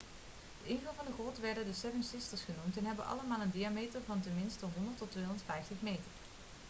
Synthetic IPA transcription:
dəɪnvəlvɑndəχɔtʋɛɹdəndəsɛvənsɪstəɹsχənumtɛnɦɛbənʔɑ̰ləmaːlˠəndiamejtəɹvɑntəmɪnstɔɦɔndəɹtɔtʋejɦɔndətfɛjftəχmejtəɹ

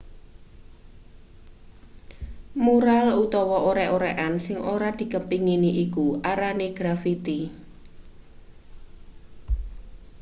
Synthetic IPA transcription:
muɾalut̪ɔwɔʔoɾɛʔoɾɛʔansɪŋʔoɾad̪̥i̤kəmpiŋiniʔikuʔaɾaneɡ̥ɾafit̪i

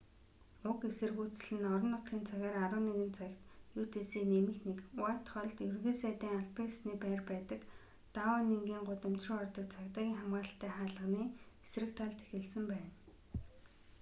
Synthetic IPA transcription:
ʊkesɘ̆rɣuːt͡sɘ̆ɮɘ̆nɔɾɞ̆nːʊt̪χiːnt͡sʰaɣʲæːɾaɾʊ̆ːneɣɘ̆nt͡sʰækt̪juːt̪eːseːnemɘ̆xnekwat̪χɔɮt̪jɵrɣĕːsæːt̪æːŋaɮpeːsniːpæːrpæːt̪ə̆k | t̪awaːneŋɡiːŋɢʊt̪ə̆m̥t͡ɕrɪ̆ɔrt̪ə̆k̚t͡sʰakt̪aːɣʲiːŋχamɢaːə̆ɬt̪ːæːχaːɮə̆ʁniːesrɘ̆k̚t̪ʰaɮt̪ʰe̥xɘ̆ɮsɘ̆mpæːn

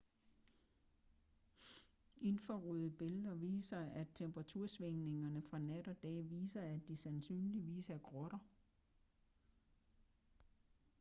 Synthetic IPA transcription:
e̝nfɒʁyðˠəb̥e̝ləðˠɐʋḭːsɐʔæ̥t͡sʰemb̥ʁɑ̈t͡sʰuɐ̰sʋeŋne̝ŋɐnəfʁɑ̈næd̥ɒ̽d̥ɛ̰ːʋḭːsɐæd̥ːisænsy̰ːnliʋḭːsæɐɡ̥ʁɔɾ̥ɐ

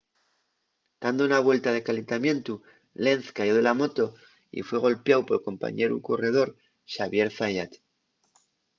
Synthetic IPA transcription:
d̪̥and̪ounaβwe̞lt̪að̞e̞kale̞nt̪amje̞nt̪u | le̞nθkaʝo̞ðe̞lamo̞t̪o̞ | ḭfwe̞ɣ̞o̞lpeawpo̞lko̞mpa̰ɲe̞ɾṵko̞re̞ð̞o̞ɾ | ʃaβje̞ɾfajat̪

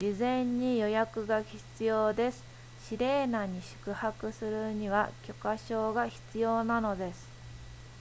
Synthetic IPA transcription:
izẽ̞ɲ̟ːijo̞jakɯ̟ɡaçi̥t͡sɨjo̞ːd̪e̞sɨ̥ | ɕiɾe̞ːnaɲ̟iɕɨ̥kɯ̟hakɯ̟sɨɾɯ̟ɲ̟iβ̞akʲo̞kaɕo̞ːɡaçi̥t͡sɨjo̞ːnano̞d̪e̞sɨ̥

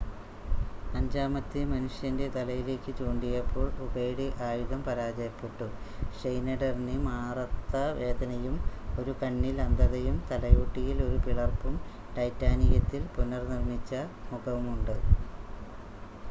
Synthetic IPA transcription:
pɐɲd͡ʑaːmɐt̪ːɨmɐnuʂjɐnde̞t̪ɐlɐjile̞ːkʲːɨt͡ɕuːɳɖijɐpːo̞ːɭuɣeːɽiʔaːjuðɐmpɐɾaːd͡ʑɐɐpːiʈːu | ʂejnɐɖɐrinɨmaːrɐt̪ːɐʋe̞ːd̪ɐnɐjumo̞ɾukɐɳːilɐnd̪ɐðɐjumt̪ɐlɐjuːʈːijilo̞ɾupiɭɐrpːum | ʈɐjtːaːnijɐt̪ːilpunɐrnirmit͡ɕːɐmuɣɐʋumuɳɖɨ

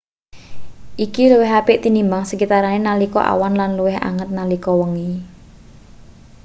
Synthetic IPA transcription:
ʔikiluwɪɦapɪʔt̪inimbaŋsəkit̪aɾanenalikɔ̰ʔa̰wanlanluwɪɦa̰ŋət̪̚nalikɔwəŋi

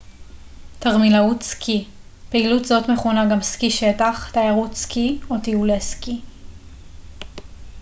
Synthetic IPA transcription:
taʁmilautskʰi | pe̞ilutzo̞tme̞χonaɡamskiʃetaχtajaʁutskiotiuleski

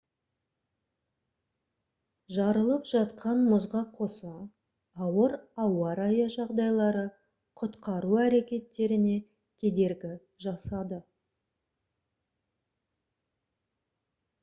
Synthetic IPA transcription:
ʒɑɾəlˠəpʒɑt̪qʰɑnmʊzʁɑqʰo̞sɑː | wəɾɑwɑɾɑjɑʒɑʁd̪ɑjlˠɑɾə | qʰʊt̪qɑɾuæɾe̞kʲe̞t̪ːe̞ɾɪne̞ | kʲʰe̞d̪e̞ɾɡʲɪ | ʒɑsɑd̪ə

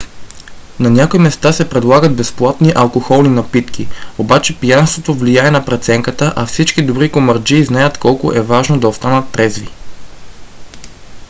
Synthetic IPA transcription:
nɐnʲakoimɛst̪asɛpɾɛd̪lˠaɡəd̪̚bɛsplˠat̪niʔɐlˠkoxɔlˠninɐpit̪kiobat͡ʃɛpijanst̪vot̪ovlijaɛnɐpɾɛt̪sɛŋkət̪əʔɐfsit͡ʃkid̪oɾikomɐɾd͡ʒiːznajət̪kɔlˠko̰ʔɛvaʒnod̪ɐost̪anət̪ːɾɛzvi

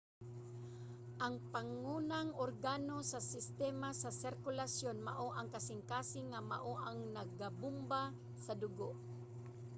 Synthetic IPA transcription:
ʔɐŋpaŋuːnaŋʔoɾɡanosasɪst̪ɛmasɐsɪɾkʊlasjonmaʔoʔaŋkasɪŋkaːsɪŋːama̰ʔoʔaŋnɐɡabʊmba | sɐd̪ʊɡoʔ

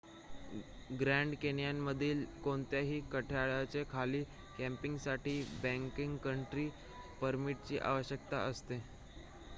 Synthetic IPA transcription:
ɡɾæɳɖkenjamːəd̪ʱiːlkoɳt̪jaɦiːkəʈʰjaɭat͡sekʰaliː | kæ̃mpiŋɡsaʈʰiːbæ̃ŋkiŋɡkəɳʈɾiː | pəɾmiʈ̚t͡ɕiːʔa̰ʋəɕjək̚t̪a̰əst̪e

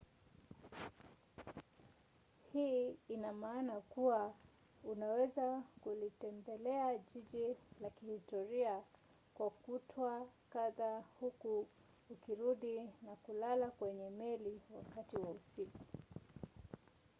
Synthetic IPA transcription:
hiːinamaːnakuwa | unawɛzakulitɛmbɛlɛaʄiʄilakihistɔɾia | kwakutʰɔakaðahukuː | kiɾuɗinakulalakwɛɲɛmɛliwa̰katiwausiku

